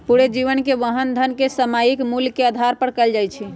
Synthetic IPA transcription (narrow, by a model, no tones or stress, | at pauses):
puɽed͡ʒiʋənkeʋəɦənd̪ʱənkesəmajikmulkeəd̪ʱaɾpəɽkəld͡ʒajt͡ʃʰi